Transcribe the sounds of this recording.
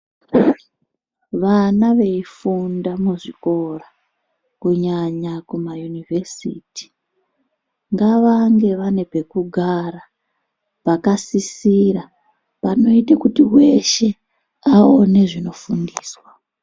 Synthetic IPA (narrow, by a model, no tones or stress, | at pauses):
ʋanaʋe̞ifundamuʐiko̞ra | kuɲaɲakumajunivesiːti̥ | ŋɡaʋaŋɡe̞ʋane̞pe̞kuɡʱara | pakasisira | pano̞itakutiwe̞ʃe̞ | aone̞ʐino̞fundiːswa